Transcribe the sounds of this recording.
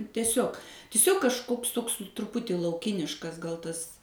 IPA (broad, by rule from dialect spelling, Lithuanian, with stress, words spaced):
tʲɛˈsʲoːk tʲɪˈsʲoːk kɐʃˈkoːks ˈtoːks trʊˈpʊtʲiː lˠɐʊˈkʲɪnʲɪʃkɐs ɡɐlˠ ˈtɐs